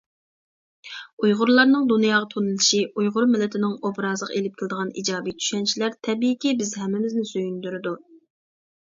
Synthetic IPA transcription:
ujʁʊɾlˠɑɾnɨŋd̪unjɑːʁɑt̪ʰonɨlˠɨʃiʔujʁʊɾmɪlːɪt̪ʰɪnɪŋobɾɑzlˠəqelɪp̚kʲʰɪlˠɨd̪əʁɑnʔḭd͡ʒɑːbit̪ʰy̥ʃɛnt͡ʃʰilæɾt̪ʰɛbiːkʲibɪzɦɛmːɪmɪznɪsøjynd̪yɾɪd̪u

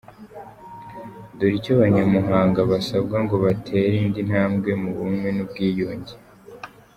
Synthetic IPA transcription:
duɾicoβaɲamuɦaːŋɡaβasabɡaŋɡo̞βatʰe̞ːɾiːndin̥haːmɡe̞muβumwe̞nub̚ɡiːjoːɲɟe

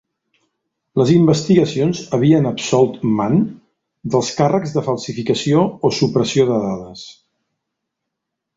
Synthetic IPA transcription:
ləzimbəst̪iɣəsionzəβ̞iənəpsɔlˠt̪man | d̪əlˠskarəɡzðəfəlˠsifikəsioːsupɾəsioðəðaðəs

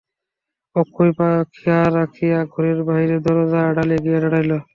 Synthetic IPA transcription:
ɔkʰːojpakʰijaɾakʰijaɡʱɔɾeɾbaɦiɾed̪ɔɾɔzaɖaliaɡijaɾaɽajlɔ

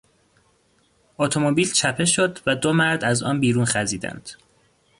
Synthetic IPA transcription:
ʔot̪ʰomobiːlt͡ʃʰæpʰe̞ʃod̪væd̪omæɾd̪æzɒ̰ːnbiːɾuːnxæziːd̪æ̰nd̪̥

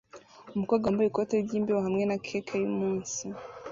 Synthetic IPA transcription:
umukaɡwambujikoteɟiːmbeɾohamŋe̞nakʰeːkʰajumuːnsi

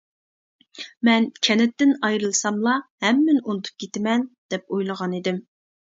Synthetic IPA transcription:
mɛnkʲʰɛnɪt̪ːɪnɑjɾɨlˠsɑmlˠɑhɛmːɪnunɨt̪ʰu̥p̚kʲʰet̪ɪmɛnd̪̥ɛp̚ojlˠəʁɑnid̪ɪm

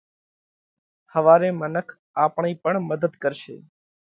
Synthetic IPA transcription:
həʋaːɾemənəkʰ | aːpɳiːpəɳməd̪əd̪kəɾʃḛː

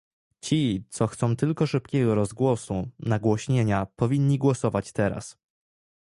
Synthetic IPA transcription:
t͡ɕit̪sɔxt̪sɔ̃w̃t̪ɘlkɔʂɘpkʲɛɡɔɾɔzɡwɔsunaɡwɔɕɲeɲapɔvʲiɲːiɡwɔsɔvat͡ɕt̪ɛɾa̰s

